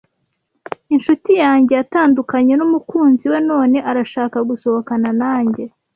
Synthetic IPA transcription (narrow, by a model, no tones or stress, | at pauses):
inʃutijaːɲɟe̞jataːndukaɲe̞numukuːnziwe̞no̞ːne̞ʔaɾaʃaːkaɡuso̞hokananaːɲɟe̞